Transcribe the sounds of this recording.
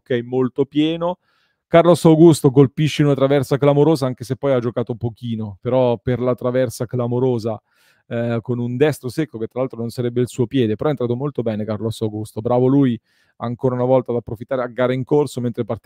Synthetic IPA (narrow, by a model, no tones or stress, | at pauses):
kɛjmːolt̪opjɛːno | karlosawɡust̪ok̬olpiʃːeunat̪ɾavɛrsaklamoɾoːzaaŋkesepːɔjad͡ʒːokaːt̪opok̟iːnopeɾɔperlat̪ɾavɛrsaklamoɾoːza | konund̪ɛst̪ɾosekːok̟et̪ːɾalalt̪ɾononsaɾɛbːeilsuːopjɛːd̪epeɾɔɛnt̪ɾat̪omolt̪obɛːnekarlɔsawɡust̪obɾaːvoluːj | aːŋkoːɾaunavɔlt̪ad̪apːɾofit̪ːaɾeaɡːaːɾaiŋkorsoment̪ɾepart̪